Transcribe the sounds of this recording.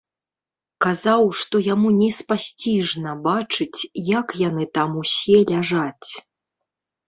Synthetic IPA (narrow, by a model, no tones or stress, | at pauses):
kazawʂt̪ɔjamunʲɛspasʲt͡sʲiʐnɐbat͡ʂɨt͡sʲjakjanɨt̪amusʲɛlʲaʐat͡sʲ